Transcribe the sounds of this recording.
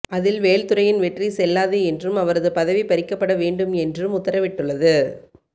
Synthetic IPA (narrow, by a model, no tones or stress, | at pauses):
ɐðɪlʋeːɻt̪ɯɾɐjɪnʋɛʈrisɛlːaːðɯɛndrɯmɐʋɐɾɐðɯpɐðɐʋipɐɾɪkːɐpːɐɽɐʋeːɳɖɯmɛndrɯmʊt̪ːɐɾɐʋɪʈːɯɭːɐðɯ